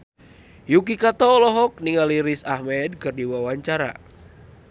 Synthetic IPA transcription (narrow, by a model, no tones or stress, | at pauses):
juk̬ikat̪ɔːlɔɦɔk̚niŋaliɾisahmɛdkɨrdiwawaɲt͡ʃaɾa̰